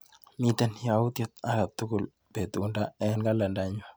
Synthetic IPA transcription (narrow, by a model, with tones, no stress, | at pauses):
mi˦t̪ɛ˦nja˨wu˦t̪jɔ˦t̪̚a˦ɡa˨t̪ːu˦ku˨l | pe˨t̪u˨nda˦ɛ˦nɡa˦la˨nda˦ɲo˨